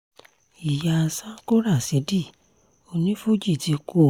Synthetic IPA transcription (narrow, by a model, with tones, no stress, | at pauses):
i˨ja˧˨sa˦ko˦ɾa˦˨se˨˧˦di˦˨ | o˧nĩ˦fu˦˨d͡ʒi˦˨ti˨˧˦ko˦˨